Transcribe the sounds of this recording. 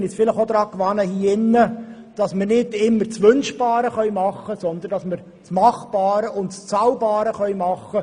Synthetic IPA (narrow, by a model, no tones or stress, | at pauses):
nɪt͡sfɪləχod̪ɾɑːkʋɑnəhiːɪnːə | d̥ɑsməɾnɪdɪmːəɾt͡sʋɵnʃbɑːɾəχœʏmɑχːəsɔnd̪əndɑsməɾ | t͡smɑχbɑːɾəʔʊntst͡sɑwbɑːɾəχœɥmɑχːə